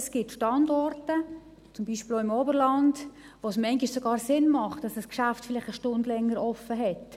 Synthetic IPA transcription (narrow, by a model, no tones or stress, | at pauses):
sɡ̥ɪtʃtɑndɔrtə | t͡sʊmbiːʃpiloɪmɔbəɾlɑnd | ʋoːsmɛŋɡɪʃsoɡɑːɾsɪnmɑχtd̥ɑsdɑskʃaftfɪlɪχtəʃtʊndlɛŋːəɾɔfːəɦɛt